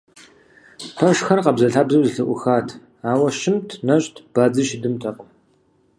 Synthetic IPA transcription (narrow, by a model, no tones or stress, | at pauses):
pʰɐʂxɐrqɐbzɐɬaːbzɐwzɨɬɨʔʷʊxaːtʰ | aːwɐʃɪmtʰnɐɕʼtʰb̥aːd͡zɨʃɪdɨmtʰɐqʊm